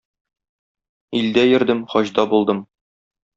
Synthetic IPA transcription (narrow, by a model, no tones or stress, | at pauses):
ild̪æjɘ̆ɾd̪ɘmχɒʑd̪ɑbulˠd̪ɤm